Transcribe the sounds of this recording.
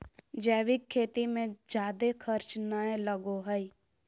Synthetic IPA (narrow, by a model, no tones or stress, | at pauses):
d͡ʒɛːʋɪkʰːeːt̪imẽd͡ʒjaːd̪ekʰəɾt͡ʃnəẽləɡoɦəi